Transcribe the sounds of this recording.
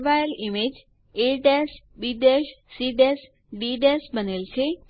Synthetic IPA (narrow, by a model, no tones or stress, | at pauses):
ʋajəlimed͡ʒ | eɖɛs | biɖ̪ɛʃsiɖɛs | ɖiɖɛsbənelt͡ʃʰe